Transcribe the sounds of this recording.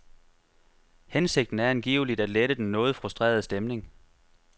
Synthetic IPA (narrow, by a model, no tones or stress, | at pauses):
hense̝ɡ̥̚d̥n̩æɐænɡ̥ḭːʊəlid̥æd̥leɾ̥əd̥enːɔ̽ːð̩ˠfʁusd̥ʁḛːɐð̞̩ˠəsd̥emne̝ŋ